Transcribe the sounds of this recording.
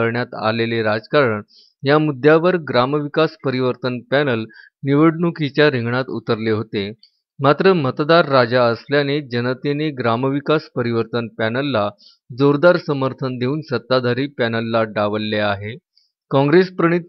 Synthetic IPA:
əɾɳjat̪a̰leleɾad͡zkaɾəɳ | jamud̪ʱːjaʋəɾɡɾamʋikaspəɾiʋəɾt̪ənpænəl | niʋəɽɳukit͡ɕjaɾiŋɡɳat̪ut̪əɾleɦot̪e | mat̪ɾəmət̪d̪aɾːad͡ʑaəsljaned͡ʑənət̪eneɡɾaməʋikaspəɾiʋəɾt̪ənpænəlːa | d͡zoɾd̪aɾsəməɾt̪ʰənd̪ʱeuːnsət̪ːad̪ʱaɾiːpænəlːaɖaʋəlːeaɦe | kɔ̃ŋɡɾespɾəɳ̃it̪̚

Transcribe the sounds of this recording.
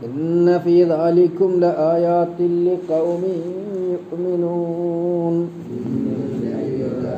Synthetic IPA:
ʔɪnːafiːðɑːlɪkʊmlɪʔaːjaːt̪ɪlːɪqɑwmɪnjʊʔmɪnuːn

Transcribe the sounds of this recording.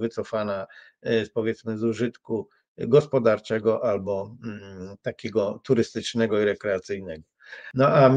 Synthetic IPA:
vɘt̪sɔfana | pɔvʲjɛt̪smɘzuʐɘt̪ku | ɡɔspɔd̪aɾt͡ʂɛɡɔʔalbɔ | t̪akʲɛɡɔt̪uɾɘst̪ɘt͡ʂnɛɡɔiɾɛkɾɛat̪sɘjnɛɡɔ | nɔam

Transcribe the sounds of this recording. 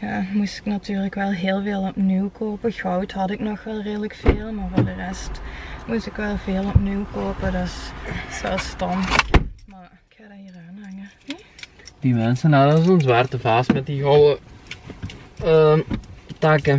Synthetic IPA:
jaːmustɪ̥knatyːrləkʋɛlˠɦɪːlˠveːlˠɔpniwkʰoːpəɣɑwtɦɑtɪknɔxʋɛlˠreːdələkfeːlˠmaːɹvʊːɹdərɛstmustɪkʋɛlˠveːlˠɔpniwkoːpədɑsɛlˠstɔmmaɹɪkxaːdaɦiːraːnɦɑŋə | d̥imɛnsənadəsɔnzʋaːrtəvaːstmɛt̚diɦɔwə | ə | taːkə

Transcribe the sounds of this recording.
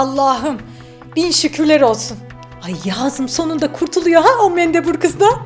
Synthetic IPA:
alˠːaːɦɯm | b̥inʃycʰyɾlʲeɾo̞lˠsun | ajjaːzɯmso̞nund̪akʰuɾt̪ʰulˠujo̞ɦaomɛnd̪ɛbuɾkʰɯzd̪a

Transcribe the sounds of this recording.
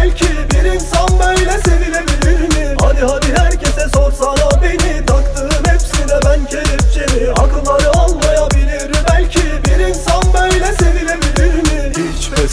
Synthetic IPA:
lʲcʰibiɾinsanbøjlʲɛsevilʲebilʲiɾmihad̪ihad̪ihæɾcʰesɛsoɾsanabenit̪ʰakt̪ʰɯɯhɛpsilɛbæncʰeɾipd͡ʒʰemiakɯlˠːaɾɯalˠmajabilʲiɾbælʲcʰibiɾinsanbøjlʲɛsevilʲebilʲiɾmiit͡ʃvɛ

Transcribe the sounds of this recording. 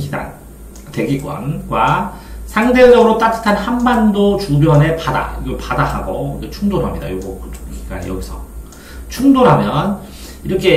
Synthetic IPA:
ɡida̰n | te̞ɡiɡwʌ̰nɡwa | sʰaŋded͡ʑʌɡɯɾot͈atʰɯ̥tʰanhanbandot͡ɕubjʌne̞pada̰iɡopadaha̰ɡoiket͡ɕʰuŋdoɾɦamɲida̰joɡʌkɯoɡiɡa̰nḛjʌɡisʰʌ | t͡ɕʰuŋdoɾɦamjʌn | iɾʌkʰe̞

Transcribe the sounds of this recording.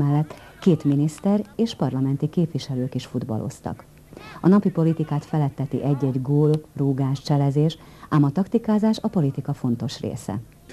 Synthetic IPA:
ɛlːɛt̪ː | keːt̪minist̪ɛɾeːʃpɒrlɒmɛnt̪ikeːpʋiʃɛløːkiʃfud̪bɒ̰lʔo̞̰st̪ɒ̰k | ɒnɒpipo̞lit̪ikaːt̪fɛlɛt̪ːɛt̪ḭʔɛɟːɛɟɡoːlruːɡaːʃt͡ʃɛlɛzeːʃ | aːmɒt̪ɒkt̪ikaːzaːʃɒpo̞lit̪ikɒfo̞n̪t̪o̞ʃrḛːsɛ̰

